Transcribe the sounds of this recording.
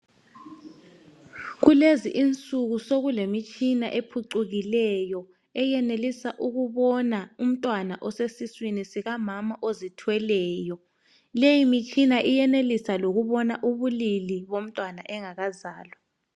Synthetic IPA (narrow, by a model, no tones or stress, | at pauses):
ɣuleziʔint͡sʼuɣusoɣulemit͡ʃʼinaʔepʰuǀuɣilɛjɔ | ɛjɛnelisaʔuɣuβɔnaum̩tʼwanaʔɔsesiswinisiɣamamaʔozitʰwɛlɛːjɔ | lejimit͡ʃʼinaʔijɛnelisaloɣuβɔnaʔuβuliliβom̩tʼwana̰ʔɛŋaɣazaːlɔ